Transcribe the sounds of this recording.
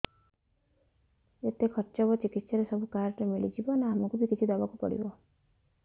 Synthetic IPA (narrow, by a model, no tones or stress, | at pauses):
et̪ekʰɔʈt͡ʃɔbɔt͡ʃikit̪saɾesɔbʱukaɾʈemiɭid͡ʒibɔneamɔkubʱikit͡ʃʰid̪ɔbakupɔ̰ɽḭbɔ